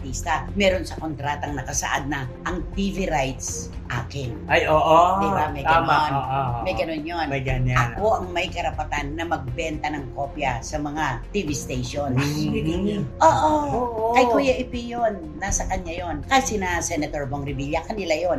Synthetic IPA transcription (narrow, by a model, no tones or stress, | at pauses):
t̪ist̪ɐmɛːɾonsɐko̞nt̪ɾat̪ɐŋnɐkɐsɐ̰ʔa̰d̪̚nɐʔɐŋt̪iviɾajt̪s | ʔa̰ːkɪnajoːʔd̪ɪbamɐjnonmɐjɡɐnonjonmɐɡɐnɐkoʔɐŋmɐjkɐɾɐpɐt̪anːɐmɐɡ̚bɛnt̪ɐnɐŋko̞pjɐsɐmɐŋat̪ivist̪ejʃons | ʔoːʔooʔkɐjkuːjɐʔɪpijonːasɐkɐɲajo̞nkasɪnasɛnɐt̪oɹboŋɾɪbiljɐkɐnɪlajo̞n